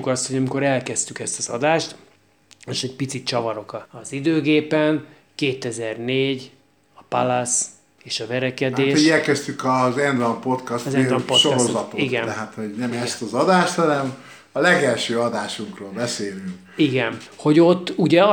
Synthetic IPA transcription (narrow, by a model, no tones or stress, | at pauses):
ukɒst̪hoɟɒmiko̞ɾɛlkɛst̪ykɛst̪ɒzɒd̪aːʃt̪ | eʃɛɟ̚pit̪sit̪t͡ʃɒvɒɾo̞kɒːzid̪øːɡeːpɛn | keːt̪ɛzɛrneːɟ | ɒpalɒs | eːʃɒvɛɾɛkɛd̪eːʃoɛlkɛst̪ykɒzɛnd̪vɒmpo̞t̪kɒst̪zɛnvɛmpotʃoɾozɒt̪oiɡɛnɛɦat̪ho̞ɟnɛmɛst̪ɒzɒd̪aːʃt̪hɒnɛm | ɒlɛɡɛlʃøːɒd̪aːʃuŋkroːlbɛseːlyŋk | iɡɛnho̞ɟo̞t̪ːuɟɛ